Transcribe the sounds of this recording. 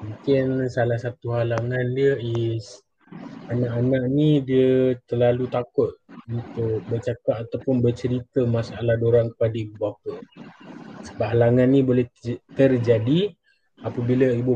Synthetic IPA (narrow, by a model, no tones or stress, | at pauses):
muŋkɪnsalahsat̪uɦalaŋandiəɛs | anaʔanaʔnidiət̪ərlalut̪akʊt̪̚unt̪ʊk̚bərt͡ʃakat̪at̪awpʊnbərt͡ʃəɾit̪əmasalahdoɾaŋkə̥padəibbuap̚ə | səbap̚ɦalaŋanːĩbolɛt̪ərd͡ʒadi | apəbiləibu